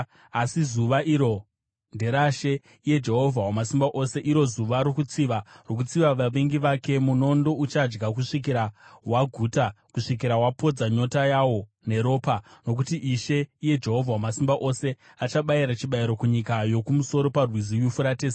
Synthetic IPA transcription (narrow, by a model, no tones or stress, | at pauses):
asizuʋaʔiɾo̞ | nde̞ɾaʃe̞ | ije̞d͡ʒe̞ɦo̞vʱawamasimbaʔo̞se̞ʔiɾo̞zuʋaɾokut͡siʋarok̬ut͡siʋaʋaʋeŋɡiʋake̞muno̞ndo̞ut͡ʃad͡ʒɡakuʂik̬iɾawaɡʱuːtakuʂik̬iɾawapo̞d͡zaɲo̞tajawo̞ | ne̞ɾo̞ːpano̞k̬utiʔiʃe̞ije̞d͡ʒe̞ɦo̞vʱawamasimbaʔo̞se̞ | at͡ʃaɓaiɾat͡ʃiɓaiɾo̞kuɲikajo̞kumuso̞ɾo̞parwizijufuɾateːs